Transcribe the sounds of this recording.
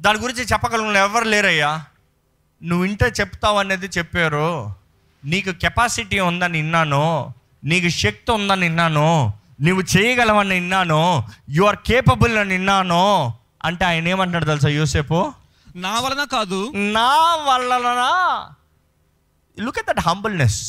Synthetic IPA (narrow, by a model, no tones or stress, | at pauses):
d̪aːniɡuɾiɲt͡ʃit͡ʃɛpːɐkɐlunɛʋːɐɾleːɾɐjːaː | nuʋːiɳʈeːt͡ʃepːu̥t̪aːʋɐneːd̪it͡ʃepːeːɾu | niːkukɛpaːsiʈiund̪ɐninːaːnu | niːkuʂek̚t̪und̪ɐninːaːnu | nuʋːut͡ʃeːjɐɡɐlɐʋɐnːɐinːaːnujuʋɐɾkeːpɐbulnɐninːaːno | ɐ̰ɳʈeaːjɐneːmaːʈ̬laːɽɐt̪aːlus̬aːjoːseːpu | naːʋɐlːɐnaːkaːd̪unaːʋɐlːɐlɐnaː | lukɐʈ̚d̪ɐʈɦɐmbulnes